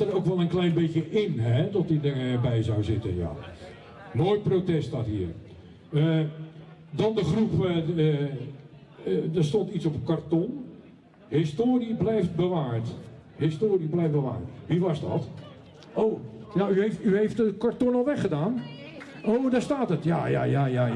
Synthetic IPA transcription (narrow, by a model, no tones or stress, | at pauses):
ərowkʋɛlˠənklɛjnbekjəʔɪnɛtɔtidərbɛjzawzɪtə̰nja̰ | noːjtprowtɛsttatɦiːər | ə | dɔndəχrup | dərstɔntitsɔpəkartɔn | hɪstoːriblɛjft̚bəʋaːrthɪstoːriblɛjf̚bəʋa̰ːrʋiʋɑzdɔ̰t | owjayeftyɦejftəkaɹtɔnɔlˠʋɛχədaːn | owdaːɹstaːtətja̰ja̰ːjaja